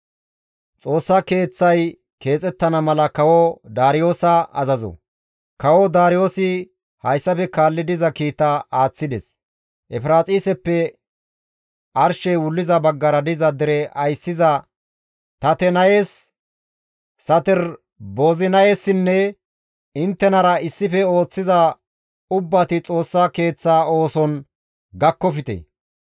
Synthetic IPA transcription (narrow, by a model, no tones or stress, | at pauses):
t͡sʼo̞ːsːɐke̞ːt͡sːɐj | ke̞ːt͡sʼɛt̪ːɐnɐmɐlɐkɐwɔd̪aːɾɪjo̞ːsɐɐ̰zɐzɔ̰ | kɐwɔd̪aːɾɪjo̞ːsɪ | hɐjsːɐfɛkaːlːɪd̪ɪzɐkiːt̪ːɐaːt͡sːɪd̪ɛs | ʔɛfɪɾaːt͡sʼiːsɛpːɛ | ʔɐɾʃɛjwʊlːɪzɐbɐɡːɐɾɐd̪ɪzɐd̪ɛɾɛʔɐjsːɪzɐ | t̪ɐt̪ɛnɐjeːs | ɐt̪ɛɾ | bo̞ːzɪnɐjeːsːɪnːɛ | ɪnt̪ːɛnɐɾɐɪsːɪfɛo̞ːt͡sːɪzɐ | ʊbːɐt̪ɪt͡sʼo̞ːsːɐke̞ːt͡sːaːo̞ːsɔn | ɡɐkːɔfɪt̪ɛ̰